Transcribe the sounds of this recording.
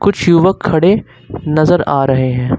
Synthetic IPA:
kʊt͡ʃʰjuːʋəkʰːɐɽe | nɐzəɾaːɾɐɦeɦɛ̃ː

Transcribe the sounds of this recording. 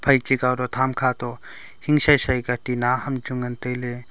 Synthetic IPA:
pʰaj̚t͡ʃikawɾɔt̪ʰamkʰat̪ɔ | hiŋsajsajkatinahɐmd͡ʒuŋɐntəjle

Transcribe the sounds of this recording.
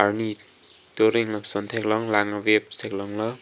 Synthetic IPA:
aɾni | toɾiŋlʌsʌnt̪ʰeklɔŋlaŋʌweb̚seklɔŋlʌ

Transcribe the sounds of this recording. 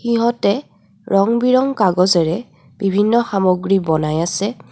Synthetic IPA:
xiɦɔtɛ | ɹɔŋbiɹɔŋkaɡɔzɛɹɛ | bibʱinːɔxamoɡɹibɔnajasɛ

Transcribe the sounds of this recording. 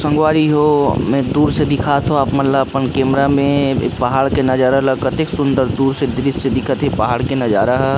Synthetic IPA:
sɐ̃ŋɡwaːɾiɦomẽd̪uːɾsed̪ɪkʰat̪ʰɦoapmɐt̪ləbpənkeːmɾamḛ̃pɐɦaːɽkenɐd͡ʒaːɾaləkət̪eksʊ̃nd̪əɾd̪uːɾsed̪ɪɾɪssed̪ɪkʰət̪epɐɦaːɽkenɐd͡ʒaːɾaɦɛ

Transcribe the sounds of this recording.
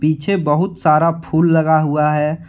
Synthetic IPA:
piːt͡ʃʰebɐɦʊt̪saːɾapʰuːlːɐɡaɦuaɦɛː

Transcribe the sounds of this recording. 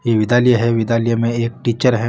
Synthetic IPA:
jeʋɪd̪aːlijeɦɛʋɪd̪aːlijemẽeːk̚ʈiːt͡ʃəɾɦɛ

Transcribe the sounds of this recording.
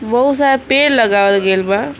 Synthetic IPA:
bəɦusapeːɽlɐɡaːʋət̪ɡelba

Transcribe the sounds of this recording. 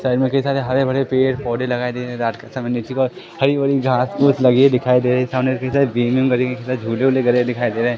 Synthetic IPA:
saɪɖmẽkɐɦisaːɾeɦɐɾebɐɽepeːʈpɔːɖelɐɡaːid̪eːɾeɦẽɾaːʈkasɐmənet͡ʃʰikɔːɾ | hɐɾiʋɐɾiɡʱaːsʊslɐɡied̪ɪkʰaːid̪eːɾesaːmneɾkɐɦisaːɾebiːmjumɡɐɾikekɐisaːd͡ʒʱuːleʊleɡɐɾed̪ɪkʰaːid̪eːɾeɛ̃ː

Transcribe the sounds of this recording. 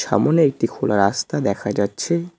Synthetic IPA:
ʃa̰moneek̚ʈikʰolaɾast̪ad̪ɛkʰad͡ʑatːɕʰe

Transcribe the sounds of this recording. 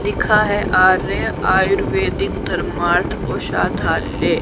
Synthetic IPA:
lɪkʰaɦɛʔaːɾẽaːjʊɾʋeːd̪ɪkd̪ɐɾmaːɾt̪ʰoːʃa̰ːt̪ʰaːlːeː

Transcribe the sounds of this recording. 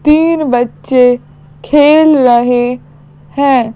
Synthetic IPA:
t̪iːnbətːʃe | kʰeːlɾəɦe | hɛ̃ː

